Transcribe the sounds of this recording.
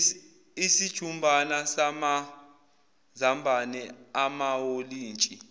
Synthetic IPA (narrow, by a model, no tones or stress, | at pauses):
isid̥ʒ̥ʱumbʱanasama | zambʱanɛamawoliːnt͡ʃʼi